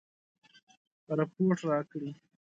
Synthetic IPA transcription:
pəɾapoʈɾɑkɽi

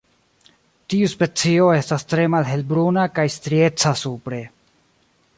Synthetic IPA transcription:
tiuspe̞t͡sio̞e̞stastɾe̞malɦe̞lbɾunakajstɾie̞t͡sasupɾe̞

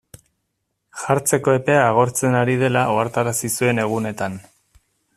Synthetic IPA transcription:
ʝaɾt͡se̞ko̞e̞pe̞aːɣ̞o̞ɾt͡se̞naɾið̞e̞laʔoaɾt̪aɾasisue̞ne̞ɣ̞une̞t̪an

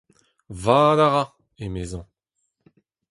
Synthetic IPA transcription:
vaːd̪aʁa | emeːzɑ̃

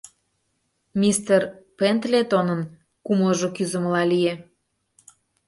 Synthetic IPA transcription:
mʲist̪erpent̪let̪onən | kumləʒokyzə̆məlɑlije

